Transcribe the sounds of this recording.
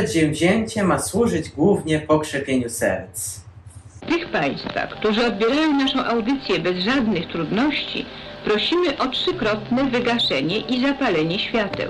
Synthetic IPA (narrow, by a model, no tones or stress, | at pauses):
ɛd̪ʑɛ̃vʑɛɲt͡ɕɛmaswuʐɘd͡ʑɡwuvɲɛpɔkʂɛpʲjeɲusɛ̰ɾt̪s | ft̪ɘxpaj̃st̪fa̰xkt̪uʐɘɔd̪̚bʲjɛɾajɔ̃w̃naʂɔ̃w̃ʔawd̪ɘt̪sʲjɛbɛzʐad̪nɘxt̪ɾud̪nɔɕt͡ɕḭpɾɔɕimɘʔɔtʂɘkɾɔt̪nɛvɘɡaʂɛɲɛʔizapalɛɲɛɕfʲjat̪ɛ̰̃